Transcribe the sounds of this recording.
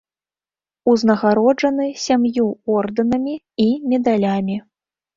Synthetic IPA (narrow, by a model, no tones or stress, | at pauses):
uznɐɣaɾɔd͡ʐɐnɨsʲamjuɔrd̪ɐnɐmʲiː | mʲɛd̪alʲamʲi